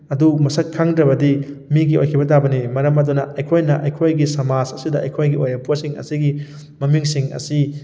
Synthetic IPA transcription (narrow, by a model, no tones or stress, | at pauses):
ɐdumɐsɐkʰːaŋdɾɐbɐdimiɡio̰jkʰibɐtabɐnimɐɾɐmɐdunɐɐjkʰojnɐʔɐjkʰojɡisɐmad͡ʒɐsidɐʔːjkʰojɡiʔojɐpwɐsiŋɐ̰siɡi | mɐmiŋsiŋɐ̰si